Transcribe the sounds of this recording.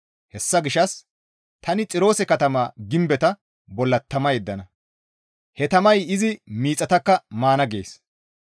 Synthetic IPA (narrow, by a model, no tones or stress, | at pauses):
hɛsːɐɡɪʃɐs | t̪ʰɐnɪt͡sʼɪɾo̞ːsɛkɐt̪ɐmaːɡɪmbɛt̪ɐ | bɔlːɐt̪ːɐmɐjɛd̪ːɐnɐ | hɛt̪ɐmɐjɪzɪmiːt͡sʼːɐt̪ɐkːɐmaːnɐɡe̞̰ːs